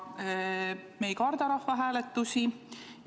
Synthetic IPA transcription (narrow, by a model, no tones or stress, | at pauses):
me̞jkɑrd̪ɑɾɑhvɑɦæːle̞t̪ːˑusi